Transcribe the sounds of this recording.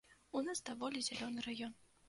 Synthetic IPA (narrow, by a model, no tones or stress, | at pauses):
unasd̪avɔlʲizʲalʲɔnɨɾajɔn